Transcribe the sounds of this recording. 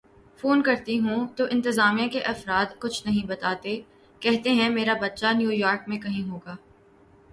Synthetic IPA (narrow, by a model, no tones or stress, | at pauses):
foːnkɐɾt̪iɦũt̪oʔɪ̃nt̪ɪzaːmijãkeʔɐfɾaːd̪kʊt͡ʃʰnɐɦĩbɐt̪aːt̪e | kɛɦt̪eɦɛ̃meːɾabɐt̪ːʃanjuːjaːɾkmẽkɐɦĩɦoːɡaː